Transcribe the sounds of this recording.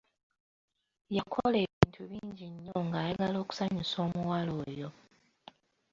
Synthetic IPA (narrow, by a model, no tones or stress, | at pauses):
jakʰole̞ːβiːntʰuβiːɲɟiɲːo̞ŋɡaːjaɡalo̞ːku̥saɲuso̞ːmuwaloːjo̞